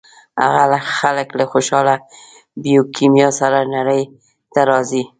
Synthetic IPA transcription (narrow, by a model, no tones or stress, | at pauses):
a̰ɣalaxaləkləxoʃɑla | bijokimjɑsaɾanaɾəj | t̪aɾɑzi